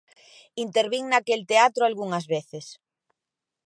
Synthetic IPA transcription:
int̪eɾβiŋnakelt̪eat̪ɾoalɣuŋɐzβeθes

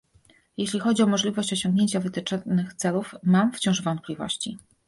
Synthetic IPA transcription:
jeɕlʲixɔd͡ʑiɔmɔʐlʲivɔɕt͡ɕɔɕɔŋɡɲʲeɲt͡ɕavɘt̪ɘt͡ʂɔnɘxt̪sɛlufmamft͡ɕɔ̃w̃ʐvɔnt̪̚plʲivɔ̰ɕt͡ɕi

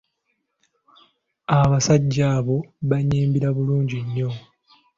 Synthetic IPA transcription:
aβasaɟːaːβo̞βaɲiːmbiɾaβuluːɲɟiɲːo̞

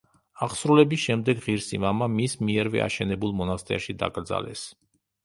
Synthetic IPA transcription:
aχsɾulɛbisʃɛmd̪ɛɡʁiɾsimamamismiɛɾvɛ̰ʔa̰ʃɛnɛbulˠmɔnast̪ʼɛ̰aʃid̪a̰kʼɾd̪za̰lɛ̰s

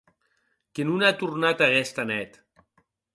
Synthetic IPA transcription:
kenunat̪urnat̪aɣɛst̪anɛt̪

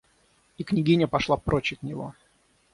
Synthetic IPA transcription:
iknʲɪɡʲinʲəpɐʂlˠapɾʔot͡ɕɪk̪nʲɪvo̰

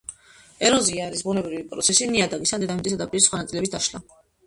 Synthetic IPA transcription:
ɛɾɔziaɾisbunɛbɾivipʼɾɔ̰t̪sʰɛsiniad̪aɡisand̪ɛd̪amit̪ʼis̬ɛd̪apʼiɾisχwanat̪sʼilɛbisd̪aʃla

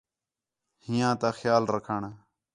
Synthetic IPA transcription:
hɪjãːt̪aːxjaːlɾəkʰəɳ

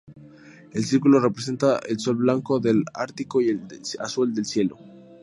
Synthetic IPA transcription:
e̞lsiɾkulo̞repɾes̬e̞nt̪aʔelso̞lβlaŋko̞ðe̞laɾt̪ikoiea̰suld̪e̞lsje̞lo̞̰

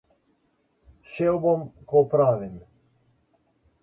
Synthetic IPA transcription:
ʃewbomkɔpɾaːʋim

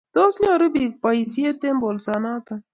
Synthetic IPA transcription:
t̪osnʲaɾubik̚pɐjsiet̪embolsanat̪ɐ

